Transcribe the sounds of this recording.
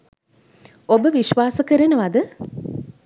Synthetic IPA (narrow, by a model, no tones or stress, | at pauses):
obəʋiʃʋaːsəkəɾənəʋad̪ə